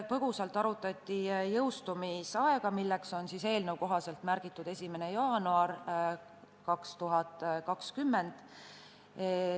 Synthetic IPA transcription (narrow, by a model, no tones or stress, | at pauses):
pɤɡ̥usɑlt̪ːˑɑɾut̪ːˑɑt̪ʲːˑijɤwst̪umisɑe̞ɡ̥ɑmilːekso̞nsise̞ːlne̞wko̞ɦɑse̞lt̪mæɾɡ̥it̪ːˑud̪̥e̞sʲime̞ne̞jɑːnuɑr | kɑkst̪uɦɑt̪ːˑkɑkskymːe̞nd̪̥